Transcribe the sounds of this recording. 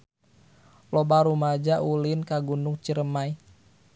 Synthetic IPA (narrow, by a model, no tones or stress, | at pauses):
lɔbaɾumad͡ʒaʔulinkaɡunuŋt͡ʃəɾəmai